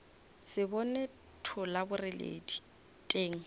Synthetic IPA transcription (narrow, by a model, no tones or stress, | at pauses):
sɪbɔne | tʰʊlabʊrɪlḛːdi | tʼeːŋ̩